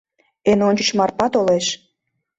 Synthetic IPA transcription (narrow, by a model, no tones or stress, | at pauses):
enonʲt͡ʃə̥̆ʃmɑrpɑt̪oleʃ